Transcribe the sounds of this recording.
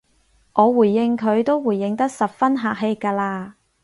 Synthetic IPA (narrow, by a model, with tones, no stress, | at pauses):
ʔɔː˨˧wuː˨˩jːɪ˧ŋkʰɵ˨˧ɥt̪o˥wwuː˨˩jːɪ˨˧ŋt̪ɐ˥k̚sɐ˨p̚fɐ˥nɦaː˨k̚ɦe˧jkaː˧laː˧